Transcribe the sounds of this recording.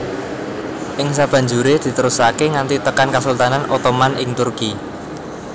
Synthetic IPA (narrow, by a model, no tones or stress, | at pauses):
ʔɪŋsab̥a̤ɲd͡ʒuɾed̪̥i̤t̪əɾusakeŋant̪it̪əkankasult̪ananot̪omanɪŋt̪urki